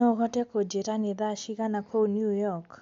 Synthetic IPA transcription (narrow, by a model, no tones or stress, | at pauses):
oɣɔtɛkod͡ʒeɾaneðaʃiɣanakʰonjujɔk